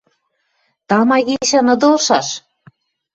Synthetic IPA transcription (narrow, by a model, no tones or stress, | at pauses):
t̪ɑmɑɣiʃænɤ̆d̪olʃɑʃ